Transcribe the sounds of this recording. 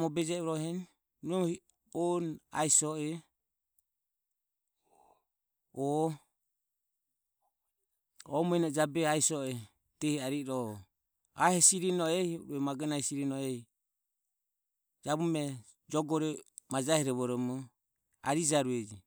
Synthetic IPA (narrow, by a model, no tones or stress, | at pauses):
mɔbɛd͡ʒɛɔɾɔɦɛn | nɔhi | ɔna̰isɔɛ | ɔ | ɔmuɛnɔd͡ʒabɛaisɔɛ | t̪ɛhiaɾiɾɔ | ahɛsiɾinɔɛiɾuɛmaɡɛnaisiɾinɔɛ | d͡ʒaβumɛ | d͡ʒɔɡɔɾɛmad͡ʒahɛɾɛβɔɾɔmɔ | a̰ɾid͡ʒaɾuɛd͡ʒi